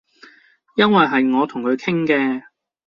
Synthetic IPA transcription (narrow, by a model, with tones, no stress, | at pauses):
jɐ˥nwɐ˨jɦɐ˨jŋɔː˨˧t̪ʰʊ˨˩ŋkʰɵ˨˧ɥkʰɪ˥ŋkɛː˧